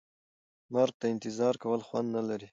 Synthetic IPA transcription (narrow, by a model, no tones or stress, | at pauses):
maɾɡ̚t̪aɪnt̪ɪzɑɾkawəlxwand̪nalaɾi